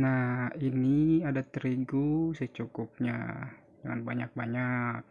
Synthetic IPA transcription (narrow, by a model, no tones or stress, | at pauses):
nainiadat̪ɾiɡusɛt͡ʃukup̚ɲa̰ | d͡ʒaŋa̰nbaɲak̚baɲak